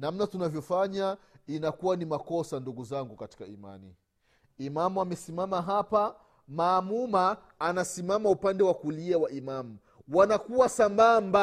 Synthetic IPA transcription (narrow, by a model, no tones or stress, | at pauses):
namnatunavjɔfaɲainakuwanimakɔsanduɡuzaŋɡukati̥kaḭma̰nḭ | imamuamɛsimamaɦapa | maːmumaː | nasimamaupandɛwakuliawaʔimamu | wanakuwasambamba